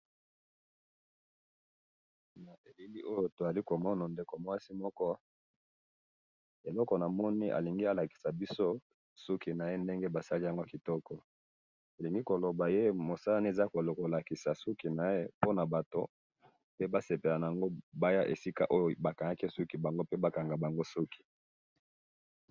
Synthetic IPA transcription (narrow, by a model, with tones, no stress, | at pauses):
na˨ʔe˨li˦li˦ʔo˦jo˦to˨a˨li˦ko˨mɔ˦na˨nde˨ko˨mo˨wa˦si˦mɔ˦kɔ˦ | e˨lɔ˦kɔ˨na˨mɔ˦ni˦ʔa̰˨li˨ŋɡi˦a˦la˨ki̥˨sa˨bi˦so˦ | su˦ki˨na˨je˦nde˦ŋɡe˦ba˨sa˦li˦ja˨ŋɡo˦ki˨tɔ˦kɔ˨ | e˨li˨ŋɡi˦ko˨lo˨ba˨je˦mo˨sa˦la˦ni˦e˨za˦ko˨lko˨la˨ki˨sa˨su˦ki˨na˨je˦po˦na˨ba˨to˨ | pe˦ba˦se˨pe˨la˨na˨a˨ŋɡo˦ba˦ja˦ʔḛ˨si˦ka˦ʔo˦jo˦˨ba˨ka˨ŋa˦ki˦su˦ki˨ba˨ŋɡo˦pe˦ba˦ka˨ŋɡa˨ba˨ŋɡo˦su˦ki̥˨